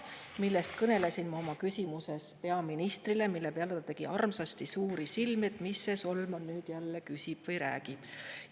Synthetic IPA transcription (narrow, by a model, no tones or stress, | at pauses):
milːest̪kɤne̞lesinmɑo̞mɑkysʲimuse̞spe̞ɑminist̪rile̞milːe̞peɑlet̪ɑt̪e̞ɡ̥iʔɑrmsɑst̪isuːɾisilmet̪ˑmisːe̞so̞lmɑnyːd̪̥jælːe̞kysʲib̥vɤjɾæ̰ːɡ̥ib̥